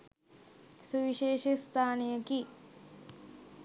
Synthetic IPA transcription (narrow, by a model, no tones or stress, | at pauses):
suʋiʃeːʃist̪ʰaːnijəki